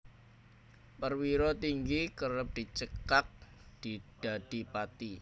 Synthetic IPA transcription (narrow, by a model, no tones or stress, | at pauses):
pərwiɾɔt̪iŋɡikəɾəp̚d̥i̤t͡ʃəkak̚d̪̥id̥a̤d̥ipat̪i